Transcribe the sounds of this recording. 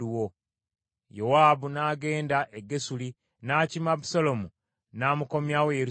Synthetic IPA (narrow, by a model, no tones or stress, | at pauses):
uwo | jowaːbunaːɡe̞ːndaʔeɡe̞suli | naːcimabusolo̞mu | naːmuko̞mjawejeɾ